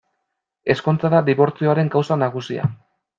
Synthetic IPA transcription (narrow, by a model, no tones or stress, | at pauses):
e̞sko̞nt͡saðad̪iβo̞ɾt͡sio̞aɾe̞ŋkawsanaɣ̞usia̰